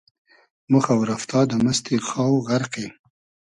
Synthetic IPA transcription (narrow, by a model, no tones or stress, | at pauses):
mʊxawɾaft̪ʰɑd̪əməst̪exɑwɣaɾqe